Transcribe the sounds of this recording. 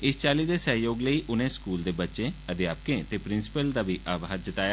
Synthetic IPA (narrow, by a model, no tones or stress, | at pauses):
ɪst͡ʃaːliːd̪eːsəɦjoːɡləiːʔʊnẽːskuːld̪eːbətːʃẽːəd̪jaːp̚kẽːt̪eːpɾɪ̃nsɪ̥pəld̪aːʋiːʔaːbaɾd͡ʒɪt̪aːjaː